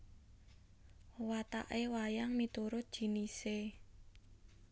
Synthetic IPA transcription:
wat̪a̰ʔewajaŋmit̪uɾʊt̪̚d̥ʒ̥i̤nise

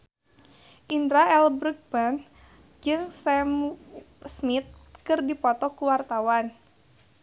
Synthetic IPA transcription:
ʔind̪ɾaɛlbɾuk̚ban | d͡ʒɨŋsɛm | smit̪̚kɨrdipɔt̪ɔkuwart̪awan

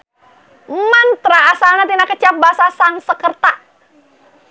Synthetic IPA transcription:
mant̪ɾaːsalnat̪inakət͡ʃap̚basasaŋsəkərt̪a

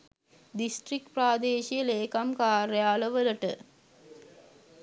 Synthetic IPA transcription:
d̪isʈɾik̚pɾaːd̪eːʃijəleːkamkaːɾəjaːləʋələʈə

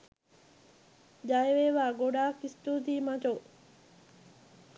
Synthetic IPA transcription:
d͡ʒajʋeːʋaːɡoɖaːkisʈ̪uːt̪iːmat͡ʃoː

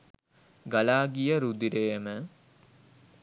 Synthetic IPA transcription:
ɡalaːɡijəɾud̪iɾejəmə

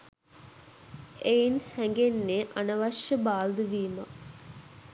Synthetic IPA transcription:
ejnhæŋɡenːeʔanɐʋɐʃəbaːld̪uʋiːmə

